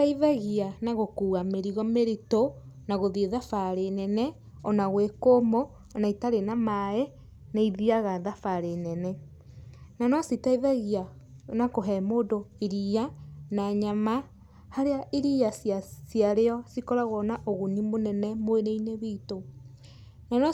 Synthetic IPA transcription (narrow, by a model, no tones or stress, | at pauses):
taiðaɣianaɣokuːɣameɾiɣɔmeɾitonaɣoðieðafaɾenɛnɛ | ɔnaɣwekomoː | naitaɾenamaɛ | naiðiaɣaðafaɾenɛnɛ | nanɔsitaiðaɣia | nakoɦɛmoːdoiɾianaɲama | haɾeaʔiɾiasasjaɾeɔsikɔɾaɣɔnaʔoɣunimonɛnɛmweɾeineβiːto | nanɔ